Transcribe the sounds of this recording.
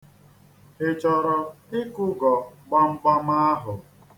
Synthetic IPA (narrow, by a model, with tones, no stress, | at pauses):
he˨t͡ʃɔ˨ɾɔ˨ɪ˦kʊ˦ɡɔ˨ɡ͡ba˦ŋ͡m̩˦ɡ͡ba˦ma˦a˦ɦʊ˨